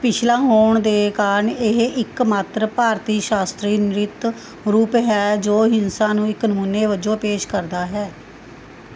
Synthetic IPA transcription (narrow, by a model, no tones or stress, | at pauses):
pɪt͡ʃʰlãːɦoːɳd̪eːkaːɾənɪɦɪkmaːt̪ɾəpaːɾt̪iːʃaːst̪ɾiːnɪɾɪt̪ | ɾuːpɦɛːd͡ʒoːɦɪnsãːnũːɪknəmuːnːeːʋəd͡ʒõːpeːʃkəɾd̪aːɦɛː